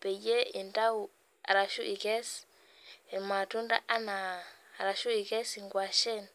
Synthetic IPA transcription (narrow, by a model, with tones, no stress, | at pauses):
pe˨je˦i˨nda˦u˨ | a̰˨ɾa˨ʃu˦ʔi˨kɛ˦s | i˨ma˨tu˦nda̰˦ʔa˦na˨ɾa˨ʃu˦i˨kɛ˦si˨ŋɡwa˨ʃɛ˦˨n